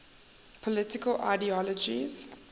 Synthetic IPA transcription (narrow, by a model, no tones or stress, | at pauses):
pʰɔlɪtɪkəlʔa̰ɪdiɔlɔd͡ʒḭz̥